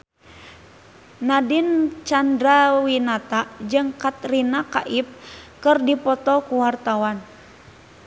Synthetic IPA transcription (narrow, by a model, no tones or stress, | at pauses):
nadint͡ʃandɾawinat̪ad͡ʒɨŋkat̪rinakaʔip̚kɨrdipɔt̪ɔkuwart̪awan